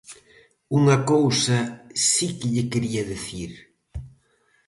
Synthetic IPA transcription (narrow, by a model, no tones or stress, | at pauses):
uŋakowsasikeʎekeɾiaðeθiɾ